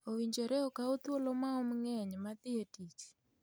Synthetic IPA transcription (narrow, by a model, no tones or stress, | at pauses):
owiɲd͡ʒeɾeɔkaot̪wolomaɔmŋɛɲmat̪ɪetit͡ʃi̥